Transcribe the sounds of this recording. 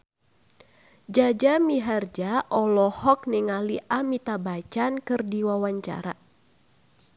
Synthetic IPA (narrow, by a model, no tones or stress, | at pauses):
d͡ʒad͡ʒamiɦard͡ʒaʔɔlɔhɔk̚niŋaliʔamit̪abat͡ʃankɨrdiwawaɲt͡ʃa̰ɾa